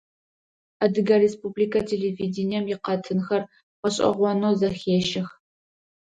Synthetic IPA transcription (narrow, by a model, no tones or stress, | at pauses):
ɐdɨɡɐrespublikʰɐtʰeleviːdɪnijɛmjɪqɐtʰɨnxɐr | qəɕʼɐ̰ʁʷɔnozɐxeːʃɪx